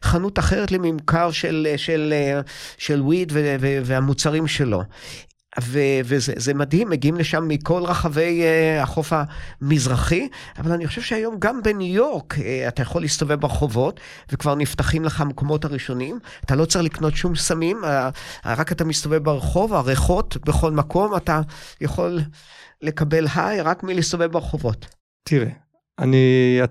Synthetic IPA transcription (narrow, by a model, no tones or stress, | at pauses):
χanutaχeʁetlemimkaʁʃelʃeleʃelwidveveveamut͡saʁimʃe̞lo̞̰ | vevezḛzemadhimːeɡiimleʃamːiko̞lʁaχave̞jaχo̞famizʁaχiavalaniχoʃev̥ʃeajo̞mɡambenujo̞ʁkatajaχo̞lːiist̪ove̞vbeʁeχo̞vo̞t | vekvaʁniftaχimleχamko̞mo̞thaʁiʃo̞nim | atalo̞t͡selikno̞tʃumsamimaʁakatamist̪ove̞vbeʁeχo̞vaʁeχo̞tbeχo̞lmako̞matajaχo̞lːe̞kabe̞lɦajʁakmilist̪ovevbeʁeχo̞vo̞t | tiʁe | ania